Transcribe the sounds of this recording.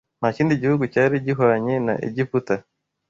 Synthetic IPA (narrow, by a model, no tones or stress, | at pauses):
nhaciːndiɟihuɡucaɾiɟiɦoɾaɲena̰ʔḛɟifuta